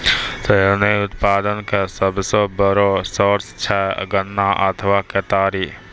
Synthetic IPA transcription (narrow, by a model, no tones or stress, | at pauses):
t̪əəneʊt̪paːd̪ənkesəbsə̃bəɾosɔɾst͡ʃʰɛ̰ɡənːaʔə̰t̪ʰʋaket̪aːɾi